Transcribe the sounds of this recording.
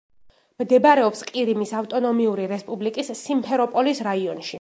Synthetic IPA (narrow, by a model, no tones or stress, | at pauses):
md̪ɛbaɾɛɔpsqʼiɾimisaft̪ʼɔnɔmiuɾiɾɛspʼublikʼisːimpʰɛɾɔpʼɔlisɾaiɔnʃi